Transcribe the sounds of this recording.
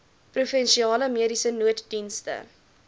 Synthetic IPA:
prufɛnʃiɑːləmiəɾisənuətdinstə̰

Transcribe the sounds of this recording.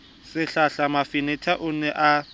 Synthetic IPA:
sɪɬaɬamafɪnɪtʰaʔʊnɛʔa

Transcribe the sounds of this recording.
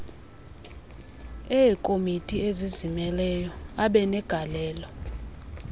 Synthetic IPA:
ɛkʼomitʼiezizimɛlɛjɔaɓɛnɛɡ̥ʱalɛːlɔ

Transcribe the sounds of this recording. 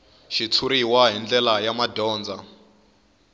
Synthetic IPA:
ʃit͡sʰuɾiwaɦind͡ɮɛlajamadɔːnd͡za

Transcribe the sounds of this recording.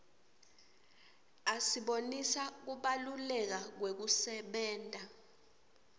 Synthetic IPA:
asiɓonisak̬uɓalulɛk̬ak̬wek̬usɛɓɛːntʼa

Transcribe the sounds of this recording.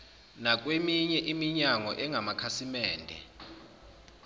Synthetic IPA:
nak̬ʼwemiɲɛʔimiɲaŋɔʔɛŋʱamakʰasimɛːndʱɛ̰

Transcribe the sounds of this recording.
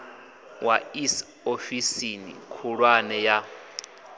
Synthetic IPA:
wa̰is | ofisinḭkʰuɺwanɛja

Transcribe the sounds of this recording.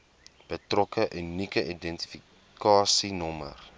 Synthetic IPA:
b̥ətrɔkəʔynikəʔidɛnti̥fi | kɑːsinɔmə̰r

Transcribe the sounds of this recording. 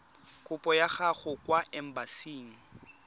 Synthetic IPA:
kʼʊpʼɔjaχaɣʊkʼwaɛm̩basiːŋ̩

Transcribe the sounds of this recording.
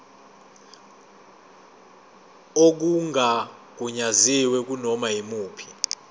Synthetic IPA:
ok̬uŋʱak̬uɲaziwɛk̬unɔmaimuːpʰi̥

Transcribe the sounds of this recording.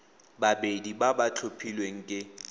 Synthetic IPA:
babedibabat͡ɬʰopʰilweŋ̩kʼɪ

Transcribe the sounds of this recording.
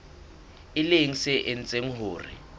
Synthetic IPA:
ɪleŋ̩sɪʔen̩t͡sʼeŋ̩ɦʊːrɪ̰

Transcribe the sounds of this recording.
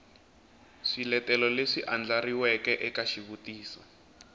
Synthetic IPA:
ʂilɛtɛlɔleʂiʔand͡ɮariwɛkɛʔɛkaʃiβutiːsɔ

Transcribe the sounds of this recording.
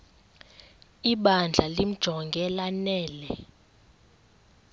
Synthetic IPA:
iɓand͡ɮʱalim̩d̥ʒ̥ʱɔŋɡʱɛlanɛːlɛ

